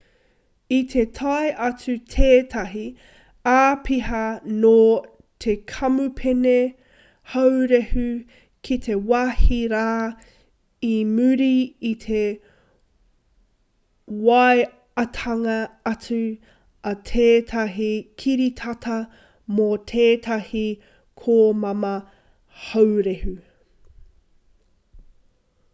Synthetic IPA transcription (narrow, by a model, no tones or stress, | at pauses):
it̪ʰe̞t̪ʰɐeʔɐt͡sʉt̪ʰeːtʰɐɦi | aːpʰiɦɐno | t̪ʰekʰɐmupʰene | hɐwɾehʉ | kʰit̪ʰe̞wahiɾaː | imʉɾiːt̪ʰe | waj | ɐtʰɐŋɐɐt͡sʉ | ɐt̪ʰeːtʰɐɦikʰiɾit̪ʰɐt̪ʰɐ | mot̪ʰeːt̪ʰɐhi | kʰoːmɐmɐ | hɐwɾehʉ